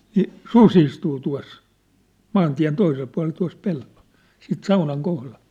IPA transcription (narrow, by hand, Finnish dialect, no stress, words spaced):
ni sus istuː tuɑ̝s mɑːntiæ̝n toisel puɑ̝lel tuɑ̝s pelːo̥l̥ siːt sɑunɑŋ kohlɑl̥